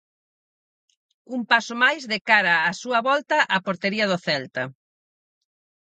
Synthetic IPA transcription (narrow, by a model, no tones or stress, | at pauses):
umpasomajzðekaɾɐːsuɐβɔlt̪ɐʔapoɾt̪eɾiɐð̞ʊθɛlt̪ɐ